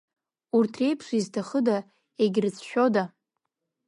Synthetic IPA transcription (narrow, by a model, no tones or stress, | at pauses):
urtʰre̞jpʰʂiztʰaχəda | eɡʲrɨt͡sʰʃᶣo̞da